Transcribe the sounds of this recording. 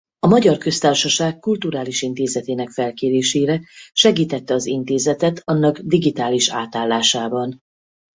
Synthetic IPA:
ɒmɒɟɒrkø̞st̪aːrʃɒʃaːkːult̪uɾaːliʃint̪eːzɛt̪eːnɛkfɛlkeːɾeːʃeːɾɛʃɛɡiːt̪ɛt̪ːɛɒzint̪eːzɛt̪ɛt̪ʰɒnːɒɡd̪iɡit̪aːliʃa̰ːt̪aːlːaːʃaːbɒn

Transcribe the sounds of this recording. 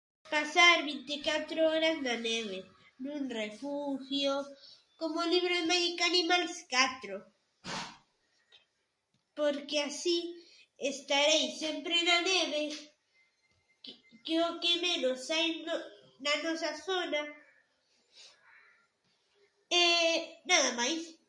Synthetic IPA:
pasaɾβint̪ikat̪ɾooɾaznaneβe | nũnrefuxjo | komoliβ̞ɾoðemaʝikanimalskat̪ɾo | poɾkeasi | est̪aɾejsempɾenaneβe | keokemẽnosajno | nanosaθona | enaðamajs

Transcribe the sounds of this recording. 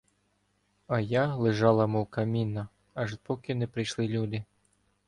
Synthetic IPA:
ɐjalˠɪʒɑlˠɐmɔwkɐmʲinːɐ | ɐʒpɔkɪnɛpɾɪjʃlˠɪlʲud̪ɪ

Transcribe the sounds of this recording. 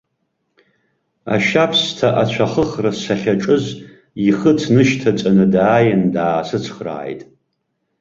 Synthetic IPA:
a̰ʃapʰstʰaʔat͡ɕʷʰaχəχrasaχʲaʈ͡ʂʼɨz | iχətʰnɨʃtʰat͡sʼanɨdaːjandaːsɨt͡sʰχra̰ːjtʼ

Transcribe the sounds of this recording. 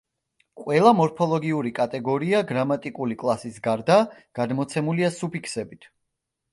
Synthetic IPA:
qʼwɛlˠamɔɾpʰɔlˠɔɡiuɾikʼat̪ʼɛɡɔɾiaɡɾamat̪ʼikʼulikʼlˠasisɡaɾd̪aɡ̥ad̪mɔt̪sʰɛmuliasupikʰsɛbit̪ʰ

